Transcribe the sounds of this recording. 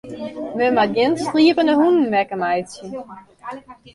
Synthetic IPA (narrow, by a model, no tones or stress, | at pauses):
mømad̚ɡɪnstriːəpənəhunn̩mɛkəmajsjə